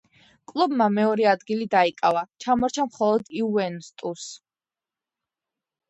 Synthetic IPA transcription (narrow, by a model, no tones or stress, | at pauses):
kʼlˠubmamɛɔɾɛad̪ɡilid̪aikʼavat͡ʃʰamɔɾt͡ʃʰamχɔlˠɔd̪iuɛnst̪ʼus